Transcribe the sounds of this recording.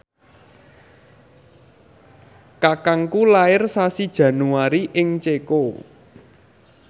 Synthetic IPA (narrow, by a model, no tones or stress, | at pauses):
kakaŋkulaɪrsasid̥ʒ̥ä̤nuaɾiʔɪŋt͡ʃeko